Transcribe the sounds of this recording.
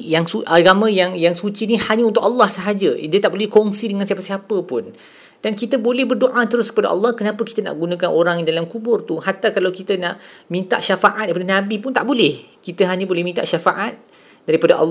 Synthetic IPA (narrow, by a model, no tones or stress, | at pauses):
jaŋsuaɡamãjaŋjaŋsut͡ʃinihaɲaunt̪ʊkɑlːɑhsəɦad͡ʒədiət̪aʔbolɛhkɔŋsidəŋansiap̬asiapəpʊn | d̥ankit̪əbolɛhbərdoʔat̪əɾʊskə̥pada̰ʔɑ̰lːɑhkənãpəki̥t̪əna̰ʔɡunãkanʔoɾaŋjindalamkubʊrt̪uhat̪akalawkit̪ənaʔmĩnt̪a̰ʔʃafaʔat̪̚daɾipadanãbipʊnt̪a̰ʔbolɛhkit̪əɦaɲãbolɛhmint̪a̰ʔʃafaʔat̪̚ | daɾipadaʔɑ̰lː